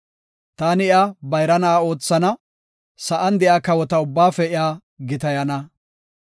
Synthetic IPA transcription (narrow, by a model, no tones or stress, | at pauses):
t̪aːnɪjabɐjɾɐnɐao̞ːt͡sːɐnɐ | sɐʔɐnd̪ɛjaːkɐwɔt̪ɐʊbːaːfɛɪjaː | ɡɪt̪ɐjɐnɐ